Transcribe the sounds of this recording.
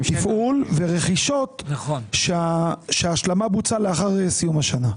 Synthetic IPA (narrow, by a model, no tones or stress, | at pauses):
t̪ifʔulve̞ʁe̞χiʃo̞t̪ʃeaʃeaːʃlamabut͡saleaχaʁesijumaʃana